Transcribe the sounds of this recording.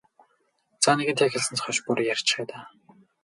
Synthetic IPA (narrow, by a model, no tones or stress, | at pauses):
t͡saneɣɘ̆nt̪ʰæxʲɪ̆ɮsɘ̆nt͡sχɔʃpuɾjarʲt͡ɕræːt̪aː